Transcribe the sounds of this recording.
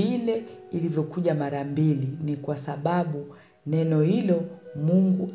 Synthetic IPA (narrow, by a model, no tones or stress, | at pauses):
ilɛilivjɔkuʄamaɾambilinikwasaɓaɓu | nɛnɔhilɔmuŋɡu